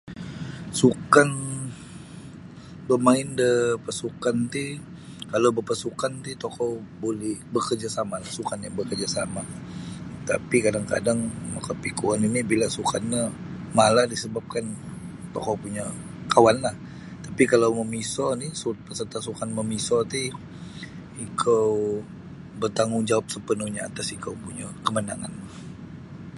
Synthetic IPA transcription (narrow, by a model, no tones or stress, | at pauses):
sukan | bəmaɪndəpasukant̪i | kalawbəpasukant̪it̪ɔkɔwbolɛhbəkərd͡ʒasamalahsukanjabəkərd͡ʒasama | t̪a̰pikadaŋka̰daŋmakapikuaninibilasukanɲə | maladisəbap̚kanka̰kawpuɲa | kawanlah | t̪apikalawməmisɔnisut̪̚pəsərt̪asukanməmisɔt̪i | ikʰəw | bərt̪aŋuŋd͡ʒawap̚səpənuhɲaa̰t̪asikʰəwpuɲakəməna̰ŋa̰na